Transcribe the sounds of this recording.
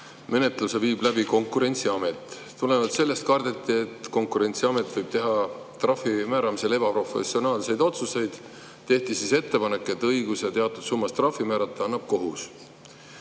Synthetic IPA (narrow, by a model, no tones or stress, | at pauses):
me̞ne̞t̪ˑluse̞viːb̥læbiko̞ŋkːuɾe̞nʲt̪siɑme̞t̪ːˑ | t̪ule̞vɑd̪se̞lːe̞st̪kɑrd̪et̪ːˑiet̪ko̞ŋkuɾe̞nʲt̪siɑme̞t̪ˑvɤjb̥̚t̪e̞ɦɑ | t̪rɑfimæːɾɑmise̞le̞bɑpro̞fe̞̰sio̞nɑːlse̞jd̪̥o̞t̪suse̞jd̪̥ | t̪e̞ht̪isise̞t̪ːe̞pɑnekːˑe̞t̪ːˑɤjɡ̥usjɑt̪e̞ɑt̪ːˑud̪̥sumːɑst̪rɑfimæːɾɑt̪ˑːɑɑnːɑb̥̚ko̞ɦus